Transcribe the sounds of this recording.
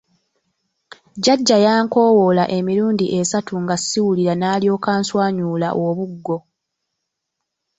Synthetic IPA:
ɟaɟːajaːŋko̞ːwo̞laʔe̞miɾuːndiʔe̞satuŋɡasiwuliɾanaːljo̞ːkaːnswaːɲuːlaʔoβuɡːo̞

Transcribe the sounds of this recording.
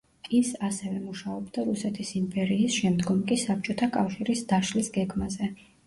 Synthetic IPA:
isasɛvɛmuʃaɔbd̪aɾusɛt̪ʰisimpʼɛɾiːsʃɛmd̪ɡɔmkʼisap̚t͡ʃʼɔt̪ʰakʼafʃiɾisd̪̥aʃlisɡɛɡmazɛ

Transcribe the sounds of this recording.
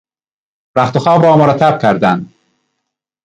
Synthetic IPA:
ɾæχt̪oxɒːbɒːmoɾæt̪ʰæb̚kʲʰæɾd̪ænd̪

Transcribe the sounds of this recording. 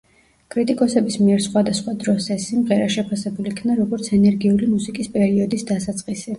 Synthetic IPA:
kʼɾit̪ʼikʼɔsɛbismiɛɾsχwad̪asχwad̪ɾɔsɛsimʁɛɾaʃɛpʰasɛbulikʰnaɾɔɡɔɾt̪sʰɛnɛɾɡiulimusikʼispʼɛɾiɔd̪isd̪asat̪sʼqʼisi

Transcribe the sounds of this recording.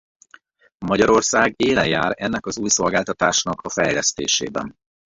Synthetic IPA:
mɒɟɒɾo̞rsaːɡeːlɛja̰ːɾɛnːɛkɒzuːjso̞lɡaːlt̪ɒt̪aːʃnɒkʰɒfɛjlɛst̪eːʃḛːbɛ̰n

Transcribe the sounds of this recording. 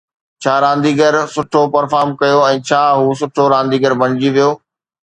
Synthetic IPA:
t͡ɕʰaːɾãːnd̪iːɡəɾsʊʈʰopɐɾfaːɾmkɐjoɛ̃ːt͡ɕʰaːɦuːsʊʈʰoɾãːn̆d̪iːɡəɾbʱɐɽ̃ɪd͡ʑiʋijoː

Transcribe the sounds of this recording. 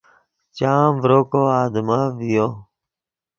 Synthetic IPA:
t͡ʃãːʋɾoːkoːaːd̪mãːʋɪjoː

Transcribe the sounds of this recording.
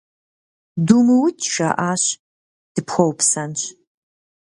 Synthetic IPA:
dumɨwtʰʃa̰ʔaːɕ | d̥ɨpʰxʷɐwpʰsɐnɕ

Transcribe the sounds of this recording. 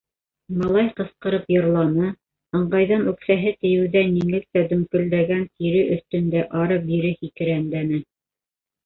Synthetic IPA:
mɤ̆lˠɑjqɤ̆sqɤ̆ɾɤpjŏɾlˠɑnɤ | ɤ̆ɴɢɑjðɑnʉksæɦɘt̪ɘ̆jɘ̆wðæniŋlɘ̆k̚t̪æd̪ɵ̆ŋkɵ̆ld̪æɡænt̪ʰiɾɘʔɵ̆θt̪ɵ̆nd̪æʔɑɾɤp̚biɾɘhikɘ̆ɾænd̪ænɘ

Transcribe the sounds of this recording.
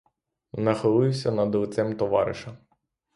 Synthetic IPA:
nɐxɪlˠɪwsʲɐnɐd̪ɔwt̪sɛmt̪ɔʋɑ̰ɾɪ̰ʃɐ

